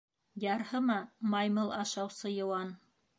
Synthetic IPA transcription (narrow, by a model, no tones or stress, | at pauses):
jɑɾhɤmɑmɑjmɤlˠʔɑʃɑwsɤjɤ̆wɑn